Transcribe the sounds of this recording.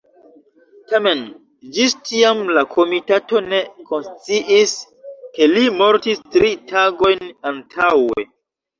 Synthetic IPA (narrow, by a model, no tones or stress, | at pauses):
tame̞n | d͡ʒistiamlakʰo̞mitato̞ne̞ko̞nst͡siʔis | ke̞limo̞ɾtistɾitaɡo̞jnantʰawe̞̰